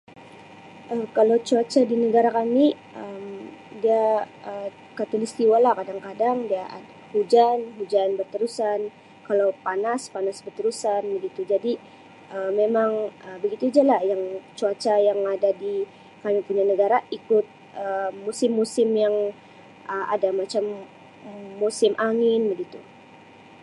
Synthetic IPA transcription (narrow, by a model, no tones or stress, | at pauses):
ʔəkalowt͡ʃuat͡ʃadinəɡaɾakamiʔəmdia | ə | kat̪ulist̪iwalahkadaŋkadaŋdiaʔa̰dahud͡ʒanɦud͡ʒanbərt̪əɾusan | kalawpanaspanasbərt̪əɾusanbəɡit̪ud͡ʒadi | ʔəmemaŋəbəɡit̪ud͡ʒalajaŋt͡ʃuat͡ʃajaŋadadi | kamipuɲanəɡaɾaikʊt̪̚ | əmusɪmːusɪmjaŋ | əʔa̰damat͡ʃamː | usɪmʔaŋɪnbəɡit̪u